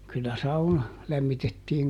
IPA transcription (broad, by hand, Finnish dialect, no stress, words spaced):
kylːæ sɑunɑ læmːitetːiːŋ